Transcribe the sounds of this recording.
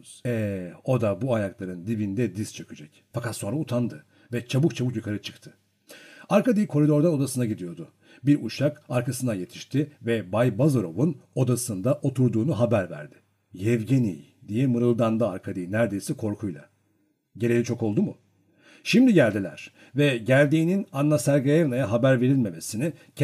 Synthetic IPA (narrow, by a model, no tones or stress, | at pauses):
ɛo̞d̪abuajaklˠaɾɯnd̪ibind̪ɛd̪ist͡ʃʰøkʰyd͡ʒɛc | fakat̪so̞nɾaut̪ʰand̪ɯ | vɛt͡ʃʰabuk̚t͡ʃʰabukjukʰaɾɯt͡ʃʰɯ̥kt̪ʰɯ̥ | aɾkad̪ijkʰo̞ɾid̪o̞ɾd̪ano̞d̪asɯnaɟid̪ijo̞ɾd̪ʊ | biɾuʃakaɾkʰasɯnaje̞t̪ʰi̥ʃt̪ʰɪvɛbajbazoɾo̞vuno̞d̪asɯnd̪aʔo̞t̪ʰuɾd̪uːnuɦabæɾvæ̰ɾd̪ɪ̥ | jɛvɟenḭj | d̪ijɛmɯɾɯlˠd̪and̪aaɾkʰad̪iːnæɾd̪e̞jsɛkʰo̞ɾkʰujlˠa̰ | ɟe̞ɾʲe̞lʲit͡ʃʰo̞ko̞lˠd̪umu | ʃimd̪iɟælʲd̪ilʲæ̰ɾ̥ | vɛɟælʲd̪iːninanːasæɾɡaɛvnajaɦabæɾve̞ɾilʲme̞me̞sinicʰ